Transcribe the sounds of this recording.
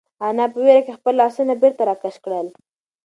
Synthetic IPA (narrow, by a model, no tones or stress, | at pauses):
anɑpəweɾakexpəlːɑsunabeɾt̪aɾɑkaʃkɽəl